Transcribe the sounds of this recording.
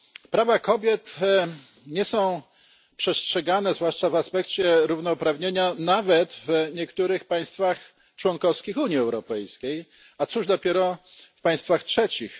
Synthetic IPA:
pɾavakɔbʲjɛt̪ | ɲɛsɔ̃w̃ | pʂɛstʂɛɡanɛzvwaʂt͡ʂavaspɛkt͡ɕɛɾuvnɔpɾavɲeɲanavɛt̪vɲɛkt̪uɾɘxpaj̃st̪fax | t͡ʂwɔnkɔfskʲixuɲiɛwɾɔpɛjskʲej | at̪suʐd̪ɔpʲjɛɾɔfpaj̃st̪faxtʂɛt͡ɕix

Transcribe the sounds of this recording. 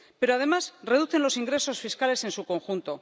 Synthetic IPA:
pe̞ɾo̞að̞e̞masre̞ð̞uθe̞nlo̞siŋɡɾe̞so̞sfiskale̞se̞nsuko̞ŋxunt̪o̞

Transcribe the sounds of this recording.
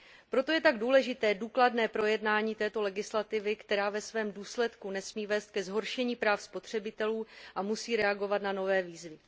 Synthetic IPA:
pɾo̞t̪ojɛt̪aɡduːlɛʒɪt̪ɛːduːkladnɛːpɾo̞jɛdnaːɲiːt̪ɛːt̪o̞lɛɡɪslat̪ɪvɪkt̪ɛɾaːvɛsvɛːmduːslɛt̪kunɛsmiːvɛːst̪̚kɛzɦo̞ɾʃɛɲiːpɾaːfspo̞t̪r̥ɛbɪt̪ɛluːʔamusiːɾɛaɡo̞vat̪nano̞vɛːviːzvɪ

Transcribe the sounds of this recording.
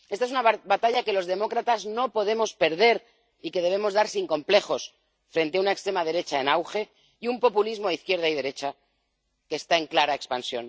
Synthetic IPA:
est̪aes̬unaβbat̪aʎake̞lo̞zðe̞mo̞kɾat̪azno̞po̞ð̞e̞mo̞spe̞ɾð̞e̞ɾ | ike̞ð̞e̞β̞e̞mo̞zðaɾsiŋko̞mple̞xo̞s | fɾe̞nt̪eaunaekst̪ɾe̞maðe̞ɾe̞t͡ʃae̞nawxe̞ | iumpo̞pulizmo̞iθkje̞ɾð̞aið̞e̞ɾe̞t͡ʃa | ke̞ːst̪ae̞ŋklaɾae̞kspansjo̞̰n

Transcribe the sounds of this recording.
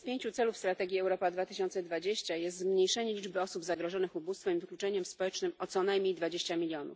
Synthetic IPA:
spʲjeɲt͡ɕut̪sɛlufst̪ɾat̪ɛɡʲjiɛwɾɔpad̪vat̪ɘɕɔnt̪sɛd̪vad͡ʑeɕt͡ɕajɛst̪zmɲejʂɛɲɛlʲid͡ʐbɘɔsubzaɡɾɔʐɔnɘxubust̪fɛmivɘklʲut͡ʂɛɲɛmspɔwɛt͡ʂnɘmɔt̪sɔnajmɲejd̪vad͡ʑeɕt͡ɕamʲilʲjɔnṵf

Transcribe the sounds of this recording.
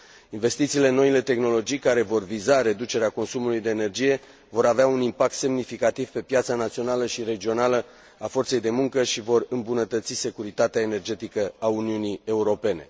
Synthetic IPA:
inve̞st̪it̪siːle̞no̞ile̞t̪e̞xno̞lo̞d͡ʒijkaɾe̞vo̞rvizaɾe̞d̪ut͡ʃe̞ɾeako̞nsumulujd̪e̞ːne̞rd͡ʒije̞ | vo̞ɾaveaunimpak̚t̪se̞mnifikat̪iv̥pe̞pjat̪sanat̪sio̞naləʃiɾe̞d͡ʒio̞nalə | afo̞rt̪se̞jd̪e̞muŋkəʃivo̞rɨmbunət̪ət̪sise̞kuɾit̪at̪eaene̞rd͡ʒe̞t̪ikəauniunie̞uɾo̞pe̞ne̞̰

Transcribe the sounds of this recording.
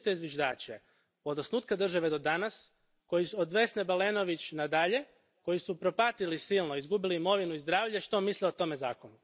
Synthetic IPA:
t̪eizʋjiʒd̪a̰ːt͡ɕe | od̪osnuːt̪kad̪r̩ʒaʋed̪o̞d̪anas | ko̞jisod̪ʋe̞snebaleno̞ʋit͡ɕnad̪aʎe̞ | ko̞jisupɾo̞pat̪ilisilˠnoizɡubiliimo̞ʋinuizd̪ɾaːʋʎeʃt̪o̞misliot̪o̞me̞za̰ːkonu

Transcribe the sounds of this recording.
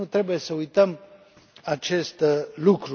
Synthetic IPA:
ut̪ɾe̞buje̞səujt̪əm | at͡ʃe̞st̪lukɾu

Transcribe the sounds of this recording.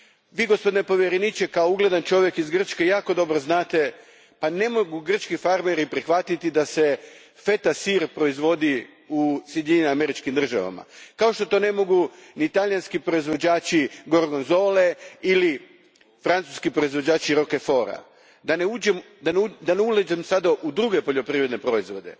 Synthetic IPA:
ʋiːɡo̞spo̞d̪inepo̞ʋjeɾenit͡ʃekaouɡle̞d̪ant͡ʃo̞ʋje̞kizɡr̩t͡ʃke̞jaːko̞d̪o̞bɾoznaːt̪e̞ | pane̞moɡuɡr̩t͡ʃkifaɾmeɾipɾixʋat̪it̪id̪ase̞ | fe̞t̪asiɾpɾo̞izʋo̞d̪i | usjed̪iɲename̞ɾit͡ʃkimd̪r̩ʒa̰ʋa̰ma̰kao̞ʃt̪o̞t̪o̞ːne̞mo̞ɡunit̪aʎijanskipɾo̞izʋo̞d͡ʑaːt͡ɕiɡo̞ɾɡonzo̞ːleili | fɾant̪u̥skipɾoizʋo̞d͡ʑaːt͡ɕiɾo̞ke̞fo̞ːɾa̰ | d̪aneud͡ʒem | d̪and̪aneuled͡ʒemsad̪aʔud̪ɾuɡe̞po̞ʎo̞pɾiʋɾed̪nepɾo̞izʋo̞d̪e̞̰

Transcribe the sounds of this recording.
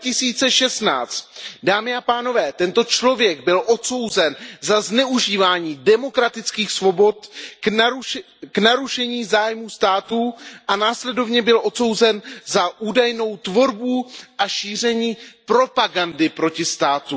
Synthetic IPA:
cɪsiːt͡sɛʃɛst̪na̰ːt͡st̪daːmɪapaːno̞vɛːt̪ɛnt̪o̞t͡ʃlo̞vjɛɡbɪlʔo̞t̪so̞wzɛnzaznɛuʒiːvaːɲiːdɛmokɾat̪ɪt͡skiːxsvo̞bo̞t̪ | knaɾuʃɛɲiːzaːjmuːst̪aːt̪uʔanaːslɛdo̞vɲɛbɪlʔo̞t̪so̞wzɛnzaʔuːdajno̞wt̪vo̞ɾbuʔaʃiːr̝ɛɲiːpɾo̞paɡandɪpɾo̞cɪst̪aːt̪u

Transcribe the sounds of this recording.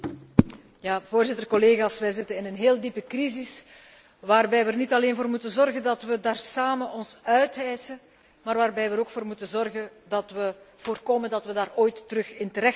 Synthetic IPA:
jaːvoːrzɪtərkɔleːɣaːsʋɛjzɪtənɪnənɦeːlˠdipəkrizɪs | ʋaːrbɛjʋəərnitɑleːnvoːrmutəzɔrɣəndɑtʋədaːrsaːmənɔnsœɥtɛjsə | maːrʋaːrbɛjʋəɾoːkfoːrmutəzɔrɣəndɑtʋəv̥oːrkoːməndɑtʋədaːroːjtːəɾɵxɪntəɾɛx

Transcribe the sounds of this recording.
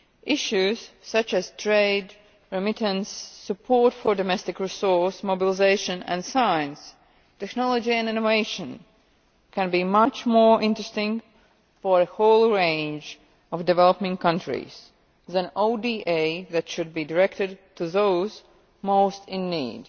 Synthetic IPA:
ʔɪʃʉz̥sʌt͡ʃɨz̥tʰɹeɪd | ɹɛmɪtə̃nsːɨpʰɔɹtfə˞dɔmɛstɪkɹisɔɹsmobɪlˠɪzeɪʃɨ̃næ̰̃nsaɪjɨ̃ns | tɛknɔlˠɔd͡ʒiæ̃nɪ̃noveɪʃə̃n | kʰæ̃nbimʌt͡ʃmɔɹʔɪ̃ntɹ̥ɨstɪ̃ŋ | fə˞əhoʊlˠɹẽɪ̃nd͡ʒ | ɔvdɨvɛlˠəpɪ̃ŋkʌ̃ntʰɹḭz̥ | ðæ̃noʊdiʔeɪðætʃʊd̚bidəɹɛktɨd̚tʰuðoʊz | moʊstʰɪ̃nːḭːd̥

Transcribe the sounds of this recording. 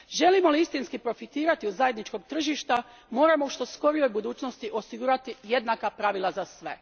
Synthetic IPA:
ʒe̞limo̞liist̪inskipɾo̞fit̪iːɾat̪iuzaje̞d̪nit͡ʃko̞ɡt̪r̩ʒiʃt̪a | mo̞ːɾamouʃt̪o̞sko̞ɾijo̞jbud̪uːt͡ʃno̞st̪iʔo̞siɡuːɾat̪ije̞d̪nakapɾaʋilˠazasʋe̞

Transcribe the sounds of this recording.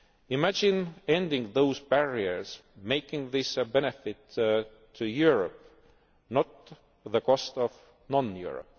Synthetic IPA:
ɪmæd͡ʒɪ̃nẽnd̪ɪ̃ŋɡðoʊzbæɹiə˞s | meɪkɪ̃ŋðɪsbɛnɛfɪtʰː | ujuɹəp | nɔt̪̚ | ðəkʰɔst̪ɔv | nɔ̃njṵɹə̰p̚

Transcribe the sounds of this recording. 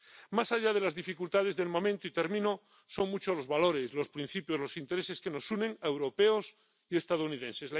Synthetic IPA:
masaʎað̞elazðifikult̪að̞ezðelmomẽnt̪oit̪eɾmĩno | soŋmut͡ʃolozβaloɾeslospɾin̟θipjozlosint̪eɾeseskeno̞sunẽŋewɾopeos | ie̞st̪að̞ounið̞ensesla

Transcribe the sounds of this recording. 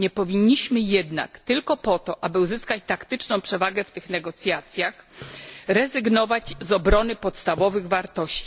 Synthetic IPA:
ɲɛpɔvʲiɲːiɕmɘjɛd̪na̰kt̪ɘlkɔpɔt̪ɔʔabɘuzɘskat͡ɕt̪akt̪ɘt͡ʂnɔ̃w̃pʂɛvaɡɛft̪ɘxnɛɡɔt̪sʲjat̪sʲjax | ɾɛzɘɡnɔvad͡ʑzɔbɾɔnɘpɔt̪st̪avɔvɘɣvaɾt̪ɔɕt͡ɕi

